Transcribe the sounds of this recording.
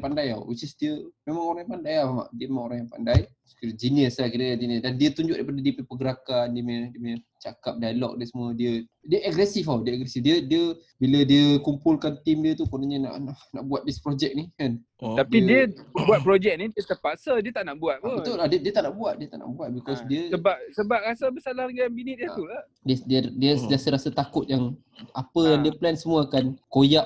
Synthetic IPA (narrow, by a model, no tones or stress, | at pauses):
pandaja̰wwit͡ʃisdiəmemãŋoɾaŋjãpandajamama̰ʔdiəmemãŋoɾaŋjaŋpandaj | kiɾəd͡ʒiniəslahkiɾəjand͡ʒiniəsdandiət̪uɲd͡ʒʊk̚ʔdajpadadiəpipəɡəɾakandiəmediəmeə | t͡ʃakap̚dajlɔ̰k̚diəsəmuədiə | diəʔaɡɾɛsifawdiəəɡɾɛsifdiədiə | bilədiəkumpulkant̪imdiət̪ukəənaɲəna̰ʔnana̰ʔbuat̪̚dispɾod͡ʒɛk̚nikan | t̪apidiəəbuat̪̚pɾod͡ʒɛk̚nidət̪əpasədiət̪aʔnaʔbuat̪̚pəbət̪oladiədiət̪aʔnaʔbuat̪̚diət̪a̰ʔna̰ʔbuat̪̚bikɔsdiəəbap̚səbap̚ɾasabəsalahɾɡnbinit̪̚djət̪ulah | dədiədiəsəd͡ʒəasəɾasət̪akʊt̪̚jaŋ | ʔapəjjaŋdiəplɛnsəmũəːkankojaʔ